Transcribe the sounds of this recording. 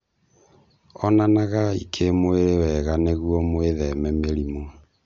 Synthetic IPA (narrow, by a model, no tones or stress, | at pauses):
ɔnanaɣaḭkʰemoeɾewɛɣaneɣwɔmoeðɛmɛmeɾimo